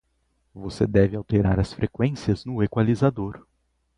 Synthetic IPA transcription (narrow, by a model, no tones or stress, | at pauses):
vosḛd̪ɛvɪawt̪eɾaɾɐsfɾekwẽsiɐznʊekwalizad̪oɾ